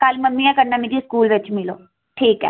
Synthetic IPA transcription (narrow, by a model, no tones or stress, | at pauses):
kəlməmːĩɛ̃ːkəɾnaːmeːɾiskuːlʋɪt͡ʃmɪlo̰ː | ʈʰiːkɛ̰ː